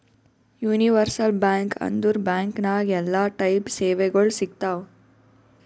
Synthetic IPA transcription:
juːniʋɐɾsɐlbaːŋkɐ̰nd̪uɾbaːŋknaːɡɛlːaːʈɐjpseːʋɛɡɐɭsikt̪aːʋ

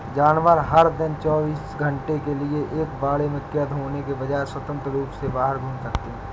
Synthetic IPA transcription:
d͡ʒaːnʋəɾɦɐɾd̪ɪnt͡ʃɔːbiːsɡʱə̃ɳʈekelieʔeːkbaːɽemẽkjəd̪ɦoːnekebɐd͡ʒaːeswət̪ə̃nt̪ɾəɾuːpsebaːɦəɾɡʱũnsɐkt̪eɦɛ̃

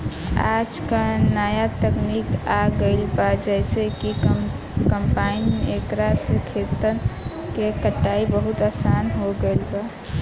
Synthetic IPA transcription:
a̰d͡ʒkanajat̪əknikaɡəɪlbad͡ʒɛjseki | kəmpainekɾasəkʰet̪ən | kekəʈːaibəɦut̪asanɦoɡejlba

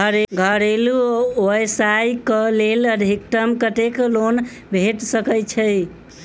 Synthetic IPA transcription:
əɾɡʱəɾeluoesajkəleləd̪ʱik̚ʈəmkəʈ̪eklon | bʱeʈsəkət͡ʃʰəj

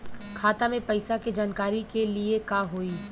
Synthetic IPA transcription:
kʰaːt̪amẽpɐɪsaked͡ʒaːnkaːɾikeliekaɦoːi

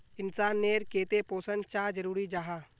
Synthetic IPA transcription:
ɪnsaːnːeːɾkeːt̪epoːsənt͡ʃaːd͡ʒəɾuːɾid͡ʒaɦaː

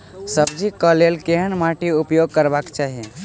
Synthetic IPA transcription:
səbd͡ʒʱikəlelkeɦənmaʈiupjoɡ̚kəɾbakt͡ʃaɦiẽ

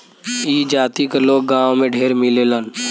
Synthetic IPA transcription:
iːd͡ʒaːt̪ikeloːɡ̚ɡãːʋõmẽɖʱeːɾmɪlelən

